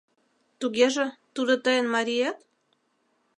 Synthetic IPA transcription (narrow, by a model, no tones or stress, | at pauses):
t̪uɣeʒə̆t̪ud̪ŏt̪əjə̆nmɑɾʲijet̪